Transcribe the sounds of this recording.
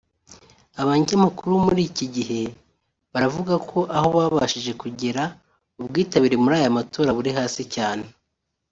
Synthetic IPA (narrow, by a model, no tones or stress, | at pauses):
aβaɲamakuɾumuɾiːciɟiɦe̞ | βaɾavuɡakʰo̞ʔaho̞βaːβaʃiʒe̞kuɟeɾa | ubɡiːtaβiɾemuɾaːjamatʰo̞ːɾaβuɾiɦaːsicaːne̞